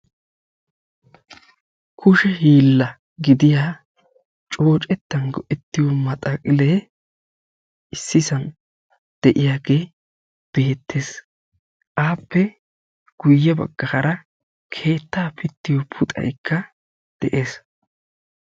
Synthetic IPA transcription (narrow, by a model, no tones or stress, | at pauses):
kʰʊʃɛɦiːlːɐ | ɡɪd̪ɪjaː | t͡ʃʼo̞ːt͡ʃʼɛt̪ːɐnɡɔʔɛt̪ːɪjɔmɐt̪ʼɐkʼɪleː | ɪsːɪsɐn | d̪̥ɛʔɪjaːɡeː | b̥e̞ːt̪ːe̞ːs | ʔaːpːɛ | ɡ̥ʊjːɐbɐ̰ɡːɐhɐɾɐ | kʰe̞ːt̪ːaːpʰɪt̪ːɪjɔpʰʊt̪ʼɐ̰jkʰːɐ | d̪̥ɛʔe̞ːs